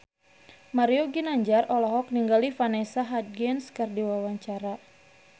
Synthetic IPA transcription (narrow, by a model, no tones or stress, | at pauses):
maɾioɡinaɲd͡ʒarɔlɔɦɔk̚niŋɡalifanɛsaɦat̪̚ɡɛnskɨrdiwawaɲt͡ʃaɾa